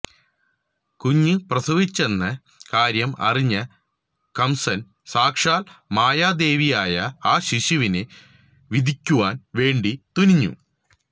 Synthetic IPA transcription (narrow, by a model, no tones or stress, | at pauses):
kuɲːɨprɐsɐʋit͡ɕːe̞nːɐ | kaːɾjɐmɐ̰riɲːɐ | kɐmsɐn | saːkʂaːlmaːjaːd̪e̞ːʋijaːjɐaːɕiɕuʋinɨ | ʋid̪ʱikʲːuʋaːnʋe̞ːɳɖit̪uniɲːṵ